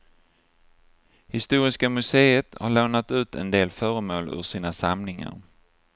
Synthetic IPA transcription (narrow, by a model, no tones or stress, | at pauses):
hɪst̪uːɾɪskamɵseːət̪haɭoːnat̪ʉ̟ːt̪ɛ̰nd̪eːlfœːɾəmoːlɵ̰ʂiːnasamnɪŋa̰ɾ